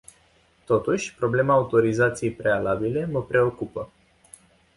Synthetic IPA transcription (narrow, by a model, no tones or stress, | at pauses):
t̪o̞t̪uʃʲpɾo̞ble̞maːut̪o̞ɾizat̪sije̞jpɾe̞alabile̞məpɾe̞o̞kupə